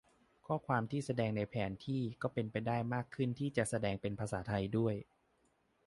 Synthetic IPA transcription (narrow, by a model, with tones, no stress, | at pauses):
kʰɔː˥˩kʰwaː˧mt̪ʰiː˥˩sa˧dɛː˧ŋna˧jpʰɛː˩˦nt̪ʰiː˥˩kɔː˥˩pe˧npa˧jdaː˥˩jmaː˥˩kʰːɯ˥˩nt̪ʰiː˥˩t͡ɕa˨˩sa˧dɛː˧ŋpe˧npʰa˧saː˩˦t̪ʰa˧jdu˥˩əj